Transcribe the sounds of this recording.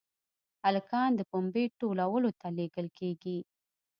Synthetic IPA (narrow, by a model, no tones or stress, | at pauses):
alkɑnd̪əpombeʈolawəlot̪aleɡəlkeɡi